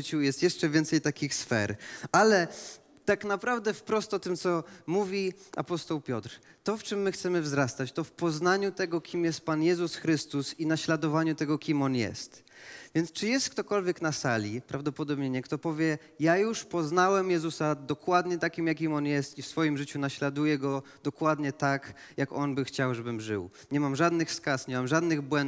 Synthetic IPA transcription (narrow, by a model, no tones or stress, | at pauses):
t͡ɕujɛst̪jɛʂt͡ʂɛvʲɛnt̪sɛjt̪akʲixsfɛ̰ɾalɛ | t̪aknapɾavd̪ɛfpɾɔst̪ɔt̪ɘmt̪sɔmuvʲiʔa̰pɔst̪ɔwpʲjɔt̪ɾt̪ɔft͡ʂɘmːɘxt̪sɛmɘvzɾast̪at͡ɕt̪ɔfpɔznaɲut̪ɛɡɔkʲimjɛst̪̚panjɛzusxɾɘst̪usinaɕlad̪ɔvaɲut̪ɛɡɔkʲimɔnjɛ̰st̪ | vʲjɛnt̪st͡ʂɘjɛst̪̚kt̪ɔkɔlvʲjɛknasalʲipɾʔavd̪ɔpɔd̪ɔbɲɛɲɛkt̪ɔpɔvʲjɛ | jajuʂpɔznawɛmjɛzusad̪ɔkwad̪ɲɛt̪akʲimjak̬ʲimɔnjɛst̪ifsfɔjimʐɘt͡ɕunaɕlad̪ujɛɡɔd̪̥ɔkwad̪ɲɛt̪ak | jakɔnbɘxt͡ɕawʐɛbɘmʐɘ̰w | ɲɛmamʐad̪nɘxskasɲɛmamʐad̪nɘɣbwɛn